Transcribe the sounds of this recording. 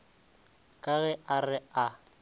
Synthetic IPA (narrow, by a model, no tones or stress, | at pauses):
kʼaɣɛʔarɪa